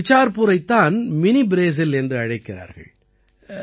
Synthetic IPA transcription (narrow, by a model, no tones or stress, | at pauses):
ɪt͡ʃːaːɾpʊɾɐɪt̪ːaːnmɪnibɪɾeːs̬ɪlɛndrɯɐɻɐɪkːɪra̰ːɾɣɐ̰ɭ